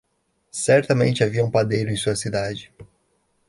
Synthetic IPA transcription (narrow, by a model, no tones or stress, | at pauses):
sɛɾt̪ɐmḛ̃nt͡ʃɪaviɐũpad̪ejɾʊẽj̃suɐsid̪ad͡ʒɪ